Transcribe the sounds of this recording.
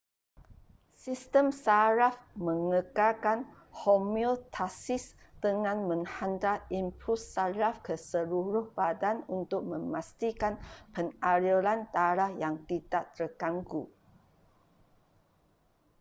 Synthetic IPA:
sist̪əmsaɾafmə̃ŋəkakan | homiult̪ʰasis | d̪̥əŋãnmə̃ŋhant̪aimpɾusaɾafkəsəluɾʊhbadanunt̪ʊk̚mə̃mast̪ikanpənaɾilant̪aɾahjaŋt̪id̪aʔt̪əkaŋkṵ

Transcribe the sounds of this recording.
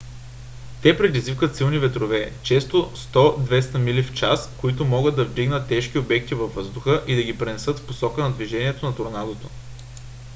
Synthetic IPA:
t̪ɛpɾɛd̪izvikət̪silˠnivɛt̪ɾovɛt͡ʃɛst̪ost̪ɔd̪vɛst̪əmilift͡ʃaskoit̪omɔɡɤd̪ːɐvd̪iɡnət̪ːɛʃk̟iobɛk̚t̪ivɐvːɤzd̪ʊxəʔid̪ɐɡipɾɛnɛsɤt̪fposɔkənɐd̪viʒɛniɛt̪onɐt̪oɾnad̪ot̪o

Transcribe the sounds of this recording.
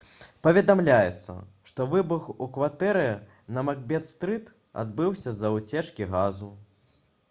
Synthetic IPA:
pɐvʲɛd̪amlʲajɛt̪sːɐ̰ʂt̪ɔvɨbuxukvat̪ɛɾɨ | nɐmaɣbʲɛt̪st̪ɾɨt̪ | a̰d̪̚bɨwsʲɐzɐwt͡sʲɛt͡ʂkʲiɣazu

